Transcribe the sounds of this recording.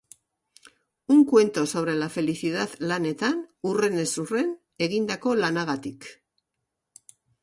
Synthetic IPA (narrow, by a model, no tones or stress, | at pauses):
uŋkwe̞nt̪o̞sowɾe̞lafe̞liθiðaðlane̞t̪anure̞ne̞sure̞n | e̞ɣind̪ako̞lanaɣat̪ik